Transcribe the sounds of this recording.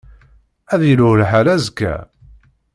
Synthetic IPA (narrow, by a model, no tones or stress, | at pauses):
æðilʊlħalæzkːæ̰